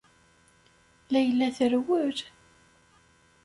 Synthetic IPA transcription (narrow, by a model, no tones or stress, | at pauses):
læjəlːæθəɾwəɾ